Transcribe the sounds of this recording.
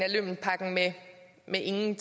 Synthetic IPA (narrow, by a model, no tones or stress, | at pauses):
ælø̰mn̩pʰɑ̈ɡ̥ŋ̩me | meʔe̝ŋn̩t͡sʰ